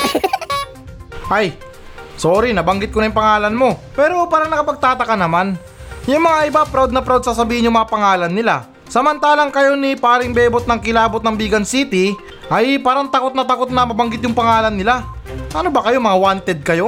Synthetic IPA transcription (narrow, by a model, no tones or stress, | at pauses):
ʔaj | soːɾinɐbɐŋɡɪt̪̚konɐjuŋpɐŋaːlɐnmo̞pɛːɾo̞paːɾɐŋnɐkɐpɐɡ̚t̪aːt̪ɐkɐnɐman | jʊŋmɐŋaʔɪbapɾawd̪̚nɐpɾawd̪̚sɐsɐbiːhɪnjʊŋmɐŋapɐŋaːlɐnːɪla | sɐmɐnt̪aːlɐŋkɐjo̞nipaːɾɪŋbɛːbot̪̚nɐŋkɪlaːbot̪nɐŋbiːɡɐnsiːt̪ɪ | ʔɐjpaːɾɐŋt̪ɐko̞t̪̚nɐt̪ɐko̞t̪̚nɐmɐbɐŋɡɪt̪̬̚jʊŋpɐŋaːlɐnːɪlaʔɐnobɐkɐjo̞mɐŋawant̪ɛd̪̚kɐjo̞